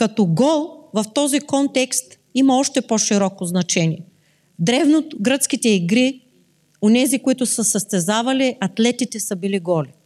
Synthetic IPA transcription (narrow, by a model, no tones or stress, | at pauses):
kɐt̪ɔɡɔlˠvɐft̪ɔzikɔnt̪ɛkst̪ | imɐɔʃt̪ɛpoʃiɾɔkoznɐt͡ʃɛniɛ | d̪ɾɛvnot̪ɡɾət̪skit̪ɛiɡɾi | onɛzikʊit̪ʊsəsəst̪ɛzavɐliʔɐt̪lɛt̪it̪ɛsəbiliɡɔli